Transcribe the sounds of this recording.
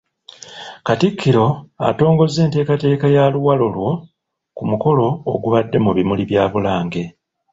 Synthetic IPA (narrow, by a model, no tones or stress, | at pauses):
katikʰːiɾo̞a̰to̞ːŋɡo̞zːe̞ːnte̞ːkate̞ːkajaluwalolwo̞ | kumuko̞lo̞̰ːɡuβadːe̞muβimuliβjaːβulaːŋɡe̞